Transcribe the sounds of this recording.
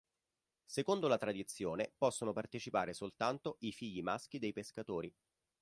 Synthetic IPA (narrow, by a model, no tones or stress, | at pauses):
sekond̪olat̪ɾad̪it̪sːjoːnepɔsːonopart̪et͡ʃipaːɾesolt̪ant̪oifiʎːimask̟id̪ejpeskat̪oːɾi